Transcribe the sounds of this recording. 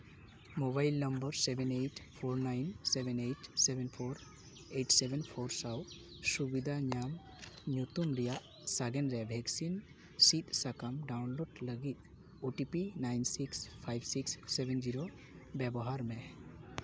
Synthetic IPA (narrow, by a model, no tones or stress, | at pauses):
mobajlnəmbəɾsɛbʱɛnejʈpʰoɾnajnsɛbʱɛnejʈsɛbɛnpʰoɾ | eʈsɛbɛnpʰoɾsaw | subid̪ʱaɲam | ɲut̪umɾijaʔ | saɡɛnɾɛbʱɛksin | sit̪sakamɖawnloɖləɡit̪̚ | uʈipinajnsikspʰajbsiksːɛbɛnd͡ʒiɾo | bɛbɔɦaɾmɛ